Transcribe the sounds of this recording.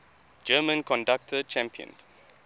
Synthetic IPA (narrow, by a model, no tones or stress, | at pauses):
d͡ʒɜːmə̃nkɔ̃ndak̚tʰət͡ʃæ̃mpiə̰̃n